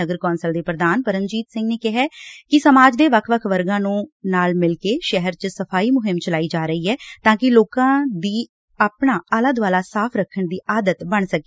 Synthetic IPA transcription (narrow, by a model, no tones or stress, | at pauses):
əɡəɾkɔ̃ːnsəld̪eːpɾəd̪aːnpəɾə̃nd͡ʒiːt̪sɪ̃ŋɡneːkɪɦaːkɪsəmaːd͡ʒd̪eːʋəkʰʋəkʰʋəɾɡãːnũːnaːlmɪlkeːʃɛɦəɾt͡ʃəsəpʰaːiːmʊɦɪmt͡ʃəlaːiːd͡ʒaːɾəiːɛːt̪ãːkɪloːkãːd̪iː | aːpɳaːələd̪ʋaːlaːsaːpʰɾəkʰːəɳd̪iːʔaːd̪ət̪bəɳsəkː